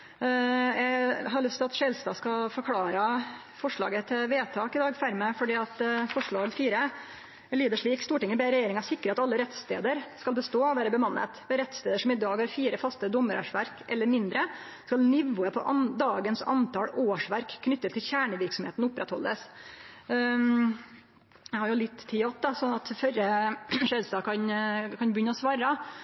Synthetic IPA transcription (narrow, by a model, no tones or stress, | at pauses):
jɛɡɦɑɾɭʏst̪ʰɪlɑt̪ʂeːlst̪ɑːskɑfɔɾkʰlɑːɾə | fɔʂɭɑ̰ːɡət̪ʰɪlʋeːt̪ʰɑːkɪd̪ɑːɡfæɾməfɔɖiːɑt̪fɔʂɭɑːɡəfiːɾə | ɛliːd̪əʂɭiːkst̪uːʈɪŋːəbeːɾɛjeːɾɪŋɑsɪkːɾəɑt̪ɑlːəɾɛt̪st̪ḛːd̪əɾskɑlbəst̪oːɔʋæːɾəbəmɑnːə̰t̪mɛɾɛt̪st̪eːd̪əʂɔmɪd̪ɑːɡhɑɾfiːɾəfɑst̪əd̪ɔmːəɾə̰ʂʋæɾkʔɛlːəɾmɪnd̪ɾə | skɑlnɪʋʊːəpʰɔ̰ʔɑnd̪ɑːɡənsɑ̰nt̪ʰɑloːʂʋæɾkʰːnʏt̪ːət̪ʰɪlçæːɳəʋɪɾksɔmheːt̪n̩ʊpːɾɛt̪hɔ̰lːəs | jɛɪhɑɾjʊlɪt̪ːt̪ʰːɪɑt̪̚d̪ɑsɔnːɑt̪fœɾəʂed̪sɑːkʰɑnkʰɑnbjʏnːəɔsʋɑːɾə